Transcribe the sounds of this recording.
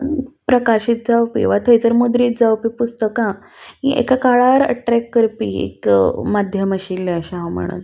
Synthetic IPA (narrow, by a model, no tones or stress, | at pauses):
pɾəkaɕiːt̪̚d͡zawpḭʋat̪ʰəjt͡səɾmud̪ɾiːt̪̚d͡zawpipust̪əkã | ɦiʔḛkakaɭaɾəʈɾɛkːəɾpiḛkmad̪ʱjəməɕilːeəɕãɦam̤ə̰ɽ̃ṵt̪